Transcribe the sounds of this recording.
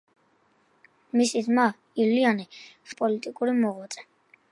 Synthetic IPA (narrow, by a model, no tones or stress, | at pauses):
misid̪ma | ilianiχpʼɔlit̪ʼikʼuɾimɔʁwat̪sʼɛ̥